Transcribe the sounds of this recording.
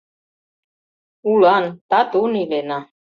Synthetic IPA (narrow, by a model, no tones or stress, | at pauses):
ulɑnt̪at̪unilena